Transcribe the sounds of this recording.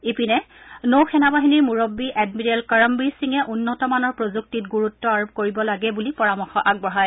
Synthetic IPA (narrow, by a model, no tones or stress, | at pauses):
ipinɛ | nowxɛnabaɦiniɹmuɹobːiʔɛdmiɹɛlkaɹɔmbiɹsiŋɛʔunːɔtɔmanɔɹpɹozuk̚titɡuɹutːɔaɹub̚koɹibɔlaɡɛbulipɔɹamɔxɔʔaɡ̚bɔɦaj